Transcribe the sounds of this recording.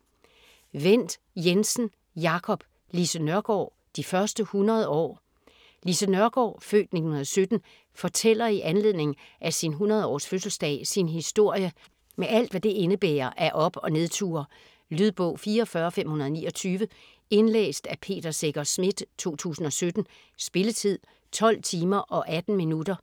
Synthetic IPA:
ʋen̰d̥ | jensn̩ | jɑ̈kʰɒ̽b̥ | lisənɶɐɡ̥ɒ̰ː | d̥ifɶɐsd̥əhunɐð̞ˠɒ̰ː | lisənɶɐɡ̥ɒ̰ːfø̰ːd̥ne̝̥hunɐðˠɒ̽sød̥n̩ | fɒ̽t͡sʰel̰ɐiʔænle̝ð̰ˠne̝ŋn̩ʔæsinɦunɐð̞ˠɒ̰ːsføsl̩sd̥ɛ̰ːɪsinɦisd̥o̝ɐ̰jə | meʔæl̰d̥ʋæd̥e̝e̝nəb̥ḛːɐʔæʔɒ̽b̥ɒ̽ne̝ð̞ˠt͡sʰṵːɐ | lyðˠb̥ɔ̽ʊ̰fiːɐɒ̽fɶɐːfem̰hunɐðˠnḭːɒ̽t͡sʰyːʋə | e̝nlḛːsd̥æpʰe̝̰ːd̥ɐse̝ɡ̥ɐsmed̥t͡sʰo̝̰ːt͡sʰṵːsn̩ɒ̽sød̥n̩ | sb̥e̝lət͡sʰið̰ˠ | t͡sʰɒ̽l̰t͡sʰiːmɐʔɒ̽ʔæd̥n̩minud̥ɐ

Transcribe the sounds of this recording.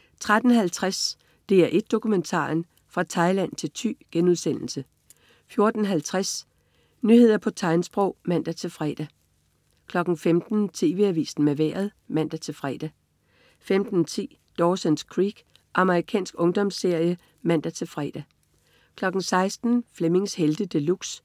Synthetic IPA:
t͡sʰʁad̥n̩hælt͡sʰʁas | d̥e̝æɐʔe̝d̥̚ːo̝kʰument͡sʰɑ̰̈ːn | fʁɑ̈t͡sʰɑ̈ɪlæn̰t͡sʰe̝lt͡sʰy̰ːɡ̥enuð̞ˠsen̰l̩sə | fjo̝ɐd̥n̩ɦælt͡sʰʁas | nyhe̝ð̰ˠɐpʰɒ̽t͡sʰɑ̈ɪnsb̥ʁɔʊ̰mæn̰d̥æt͡sʰe̝lfʁɛd̥æ | kʰlɒ̽ɡ̥n̩femd̥n̩t͡sʰe̝̰ːʋe̝æʋḭːsn̩meʋḛɐ̰ð̞ˠmæn̰d̥æt͡sʰe̝lfʁɛ̰ːd̥æ | femd̥n̩t͡sʰḭː | d̥ɒːsenskʰʁiːɡ̥ | ʔɑ̈məʁikʰɛ̰ːnsɡ̥ɔ̽ŋd̥ɒ̽msːe̝ɐ̰jə | mæn̰d̥æt͡sʰe̝lfʁɛ̰ːd̥æ | kʰlɒ̽ɡ̥n̩sɑ̈ɪsd̥n̩fleme̝ŋsheld̥əd̥əluɡ̥s

